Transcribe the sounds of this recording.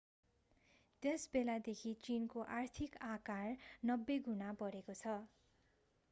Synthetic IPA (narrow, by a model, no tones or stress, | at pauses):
t̪esbelad̪ekʰit͡sinkoʔart̪ʰikakarnʌbːeɡʱunapʌɾekot͡sʰʌ